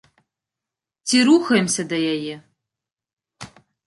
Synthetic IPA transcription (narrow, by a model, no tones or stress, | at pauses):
tʰiɾuxɐjmsɐdɐjajɪ